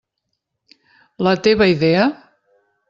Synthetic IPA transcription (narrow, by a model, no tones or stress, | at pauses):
lət̪eβəiðeə